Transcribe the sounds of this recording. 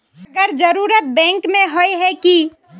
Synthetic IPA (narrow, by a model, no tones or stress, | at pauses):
əɡəɾd͡ʒəɾuːɾət̪̚bɛ̃ːŋkmẽɦoeɦɛki